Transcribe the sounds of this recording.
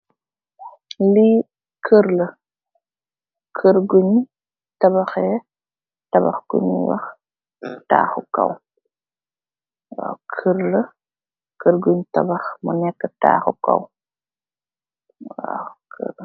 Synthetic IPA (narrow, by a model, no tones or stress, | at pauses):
li | kʰəɾlə | kʰəɾɡuɲ | tɐbɐxɛ | tɐbɐ̰xkṵniwɐ̰x | ta̰ːxukɐ̰w | wa̰kʰəɾlə | kəɾɡuɲtɐbɐxmunɛkːəta̰ːxukɐ̰w | wa̰kʰə̰